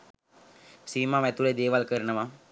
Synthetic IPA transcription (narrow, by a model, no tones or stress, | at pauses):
siːmaʋɛt̪uled̪eːʋalkəɾnɐʋa